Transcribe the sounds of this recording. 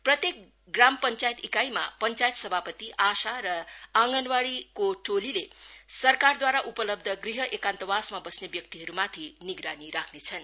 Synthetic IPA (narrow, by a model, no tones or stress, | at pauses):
prʌt̪jek̚ | ɡrampʌnt͡sajet̪ikajmapʌnt͡sajet̪sʌbʱapʌt̪iʔasaɾʌaŋɡʌnwaɽikoʈʰolilesʌrkard̪waɾaʔupʌlʌb̚d̪ʱʌɡriɦʌʔekant̪ʌwasmabʌsnebjʌk̚t̪iɦʌɾumat̪ʰiniɡɾaniɾakʰnet͡sʰʌn